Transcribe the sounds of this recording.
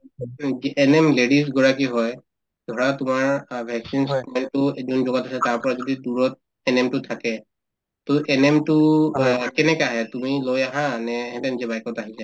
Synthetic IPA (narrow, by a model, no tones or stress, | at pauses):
ziʔɛnɛmledis̬ɡɔɹak̬iɦɔj | dʱɔɹatʊmaɹbʱɛksinskɔmɛntʊzɔnzɔɡatasɛtaɹpɔɹazɔdiduɹɔt̚ | ɛnɛmtʊtʰakɛ | toʔɛnɛmtʊ | kɛnɛkaɦɛtumilojaɦanɛhɛ̃tɛnizɛbajkɔtaɦisɛ